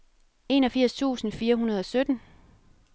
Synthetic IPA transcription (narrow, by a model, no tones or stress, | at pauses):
e̝ːnɒfiɐ̰st͡sʰṵːsn̩fiːɐɦunɐð̞ˠɒ̽sød̥n̩